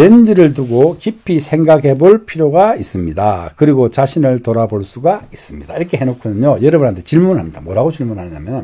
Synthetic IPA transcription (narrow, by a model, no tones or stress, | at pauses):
end͡ʑiɾɯɭt̬uɡokipʰisʰe̞ŋɡaɡɦe̞boɭpʰiɾjoɡais͈ɯmɲidakɯɾiɡot͡ɕaɕʰinɯɭtoɾaboɭs͈uɡais͈ɯmɲid̥a̰iɾʌkʰe̞ɦenokʰunɯɲojʌɾɯbɯnɦantʰe̞t͡ɕiɭmunɭɦamɲid̥amwʌɾaɡot͡ɕiɭmunɦanɯɲamjʌn